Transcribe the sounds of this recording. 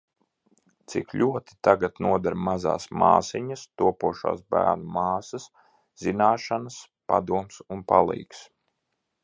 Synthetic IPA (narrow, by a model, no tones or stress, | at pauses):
t̪sikʎʲuɔt̪i̥t̪aɡat̪nuɔd̪aɾmaza̰ːsma̰ːsiɲɐst̪uɔpuɔʃa̰ːsbæ̰ːɾnumaːsɐs | z̥inaːʃanas | pa̰d̪uɔmsunpa̰lˠḭːks